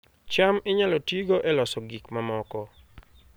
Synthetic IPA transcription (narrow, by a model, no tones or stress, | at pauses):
t͡ʃamɪɲalɔtiɡoʔɛlɔsɔɡikmamɔkɔ